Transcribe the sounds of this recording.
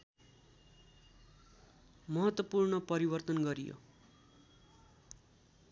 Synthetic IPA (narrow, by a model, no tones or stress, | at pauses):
mʌɦʌt̪wʌpurnʌpʌɾibʌrt̪ʌnɡʌɾijo̰